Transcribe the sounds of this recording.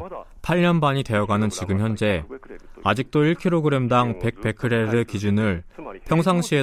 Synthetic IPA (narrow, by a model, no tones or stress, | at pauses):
pʰaɭɲʌnbaɲite̞jʌɡanɯnt͡ɕiɡɯmçjʌnd͡ʑe̞ad͡ʑik̚t͈oiɭkʰiɾoɡɯɾe̞mdaŋpe̞k̚pe̞kʰɯɾe̞ɾɯkid͡ʑunɯɭpʰjʌŋsʰaŋɕʰie